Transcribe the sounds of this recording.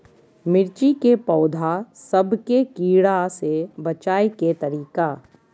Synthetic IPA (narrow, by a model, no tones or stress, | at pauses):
mɪɾt͡ʃikepɔːd̪ʱasɐbʱkekiːɽasebɐt͡ʃaːiket̪ɐɾiːkaː